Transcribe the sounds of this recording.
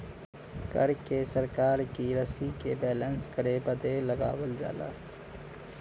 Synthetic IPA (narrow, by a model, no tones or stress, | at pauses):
kə̰ɾkesəɾkaːɾkiɾəsikebɛːlə̃nskəɾebəd̪eləɡa̰ːwəld͡ʒa̰ːla̰ː